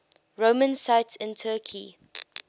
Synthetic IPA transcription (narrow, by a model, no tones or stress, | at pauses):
ɹomə̃nsaɪtsɪ̃ntʰɜːkʰi